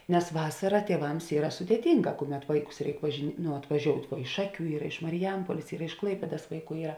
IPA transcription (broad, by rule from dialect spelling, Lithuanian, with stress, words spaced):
nʲɛs ˈʋɑːsɐrɐ tʲiɛˈʋɐms ˈiːrɐ sʊdʲeːˈtʲɪŋˌɡɑː ˈkʊˌmʲɛt ˈʋɐɪˌkʊs ˈrʲɛɪk ʋɐʒʲɪ ˈnʊ ɐtʋɐˈʒʲoːʊtʲ ˈʋuɔ ɪʃ ˈʃɑːˌkʲuː ˈiːrɐ ɪʃ mɐrʲɪˈjɛmpuɔlʲeːs ˈiːrɐ ɪʃ ˈklˠɐɪpʲeːdɐs ˈʋɐɪˌkuː ˈiːrɐ